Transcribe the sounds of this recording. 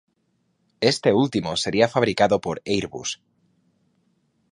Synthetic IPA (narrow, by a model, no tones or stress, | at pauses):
est̪e̞ult̪imose̞ɾiafaβ̞ɾikaðopoɾejɾβṵs